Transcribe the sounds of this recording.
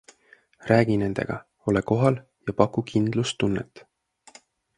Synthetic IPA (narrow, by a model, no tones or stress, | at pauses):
ræːɡine̞nd̪̥e̞̰ɡ̥ɑ̰ | o̞leko̞ɦɑl | jɑpɑkːˑukʰind̪̥lust̪ːunːet̪ːˑ